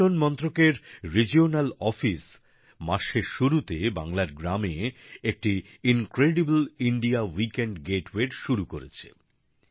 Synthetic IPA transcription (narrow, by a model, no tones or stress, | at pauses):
onmɔnt̪ɾokeɾɾid͡ʑionalɔfis | maʃeɾʃuɾut̪eba̰ŋlaɾɡɾameek̚ʈi | inkɾeɖibliɳɖiawikeɳɖɡeʈweɾʃuɾukoɾet͡ɕʰḛ